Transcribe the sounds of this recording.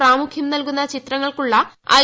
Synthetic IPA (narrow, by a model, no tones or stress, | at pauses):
ɾaːmukʰjɐmnɐlkunːɐt͡ɕit̪rɐŋːɐɭkuɭːɐɐ̰